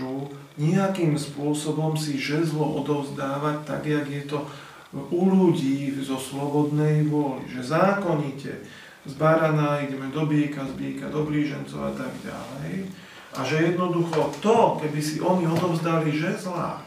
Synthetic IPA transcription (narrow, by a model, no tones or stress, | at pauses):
u | ɲiakimspʊɔsɔbɔmsiʒɛzlɔʔɔd̪ɔʊzd̪aːʋac̚t̪a̰ɡjaɡjɛt̪ɔ | uluɟiːzɔslɔbɔd̪nɛjʋʊɔlḭʒɛzaːkɔɲicɛ̰ | zbaɾanaːiɟɛmɛd̪ɔbɪɛkazbɪɛka̰d̪ɔbliːʒɛnt͡sɔ̰ʊa̰t̪aɡɟa̰lɛj | ʔaʒɛjɛd̪nɔd̪uxɔt̪ɔkɛbisiʔɔɲiɔd̪ɔʊzd̪aliʒɛzla̰